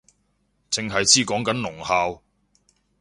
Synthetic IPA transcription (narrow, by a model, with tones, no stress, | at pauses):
t͡sɪ˨˧ŋɦɐ˨jt͡sʰiː˥kɔː˨˥ŋkɐ˨˥nlʊ˨˩ŋhaː˧w